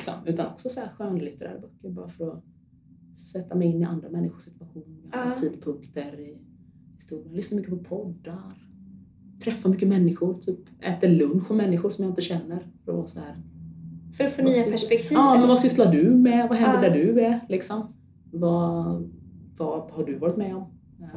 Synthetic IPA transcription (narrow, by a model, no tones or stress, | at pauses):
lɪksɔ̰mʉ̟ːt̪anɔksɔsɔæɾɧøːnd̪lɪt̪əɾæ̰ːɾbœkːəɾbɑ̰ːɾafœɾɔ | sɛt̪ːamɛjɪnːɪa̰nd̪ɾamɛnːɪxʊ̥ʂɪt̪v̥aɧuːnɪaɾat̪ʰiːd̪pʰɵŋkt̪əɾɪ | hɪst̪uːɾɪjənlʏsnamʏkːəpʰɔpʰɔd̪ːaɾ | t̪ʰɾɛfːamʏk̬ːəmɛnːɪɧʊɾt̪ʰyːpɛːt̪əɭɵnɧɔmɛnːɪɧʊɾʂɔmjaɪnt̪əɕɛnːəɾfœɾɔ̰vɑ̰ːsɔhæːɾ | fɾfoːnyːaæʂpɛkt̪ʰiːɑːmɛnvasʏslaɖɵmɛvaɦɛnd̪ədæɖɵɛlɪksɔm | va | vahaɖɵvɑːɾɪt̪mɛɔm